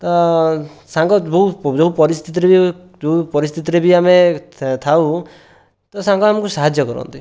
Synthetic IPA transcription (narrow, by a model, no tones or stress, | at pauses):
t̪ɔ | saŋkɔbɔɦud͡ʒoɦupɔɾist̪ʰit̪̬iɾebi | d͡ʒoupɔɾist̪ʰit̪̬iɾebiame | t̪ʰaw | t̪ɔsaŋkɔamɔkusaɦad͡ʒjɔkɔɾɔ̰nt̪i